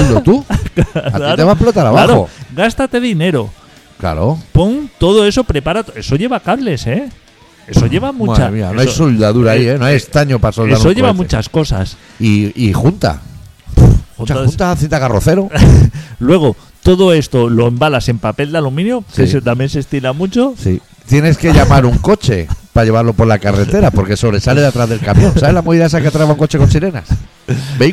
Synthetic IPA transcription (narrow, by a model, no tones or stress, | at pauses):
lot̪uka̰aɾeβaplot̪aɾaβaɾoo̰ɡast̪at̪e̞ðine̞ɾo̞ | kla̰ɾopo̞ŋt̪o̞ðoe̞so̞pɾe̞paɾat̪oe̞so̞ʝe̞βakaβle̞se̞ | e̞soʝe̞βamũmt͡ʃamia̰neoaosold̪aðuɾaienoajest̪aɲopasoldeaɾojeβamũt͡ʃasko̞sa̰s | iixunt̪a̰ | ut͡ʃaunt̪aθint̪aɣaroθe̞ɾo | lwe̞ɣ̞o̞ | t̪o̞ðoe̞st̪o̞lo̞embalase̞mpape̞ld̪alumĩnjoeset̪amjens̬est̪ilamut͡ʃosḭ | t̪je̞ne̞ske̞ʎamaɾuŋko̞t͡ʃḛpaʎe̞βaɾlo̞polakaret̪e̞ɾapo̞ɾke̞so̞βɾe̞sale̞ðet̪ɾazðe̞lkamjõ̞nsaβe̞zlamoβiðaes̬akeat̪ɾaβauŋko̞t͡ʃe̞kot͡ʃilena̰s | be